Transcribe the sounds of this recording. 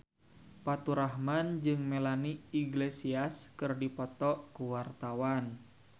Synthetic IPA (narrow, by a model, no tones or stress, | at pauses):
pat̪uɾaɦmand͡ʒɨŋmelaniiɡlesiaskɨrdipɔt̪ɔʔkuwart̪awan